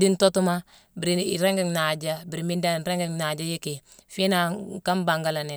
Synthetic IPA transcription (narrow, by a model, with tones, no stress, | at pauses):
di˦nto˦tu˦ma˦ | bi˨ɾi˨i˨ɾe˦ŋɡi˦ŋna˨d͡ʒa˦bi˨ɾi˨mi˦nda˦˨ɾe˦ŋɡi˨ŋna˨d͡ʒa˦je˦ki˨fi˦na˨ka˦mba˨ŋɡa˦la˨ne˨